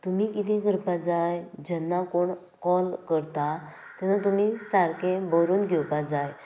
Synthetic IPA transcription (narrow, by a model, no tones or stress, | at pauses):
t̪umikit̪ʰĩɡəɾpad͡zajd͡ʑɛnːakoɳ | kɔlkəɾt̪a | t̪ɛnat̪̬umisaɾkẽbəɾuːnɡʱɛwpad͡zaj